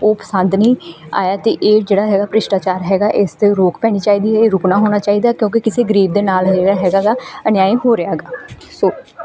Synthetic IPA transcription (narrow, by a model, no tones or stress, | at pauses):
oːpə̥sənd̪nəĩː | a̰ːjaːt̪eːʔeːd͡ʒeːɽaːɦɛːɡaːpɾɪʃʈaːt͡ʃaːɾɦɛːɡaːʔɪst̪eːɾoːkpɛːɽ̃iːt͡ʃaːiːd̪iːɦɛːɾʊknaːɦoːɽ̃aːt͡ʃaːiːd̪aːkjõːkɪkɪseːɡɾiːʋd̪eːnaːlɦɛːɡaːɦɛːɡaːɡaːənjaːiːɦoːɾɪaːɡaːsoː